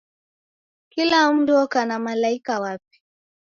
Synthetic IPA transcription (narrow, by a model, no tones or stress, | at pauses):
kilam̩duɔkanamalaikawap̚i̥